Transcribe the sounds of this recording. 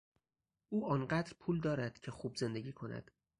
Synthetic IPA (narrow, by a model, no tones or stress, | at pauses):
ʔuːʔɒːnɢæːd̪ɾpʰuːld̪ɒːɾæd̪̥cʰe̞xuːbze̞nd̪eɟʲiːkʰo̞næ̰d̪̥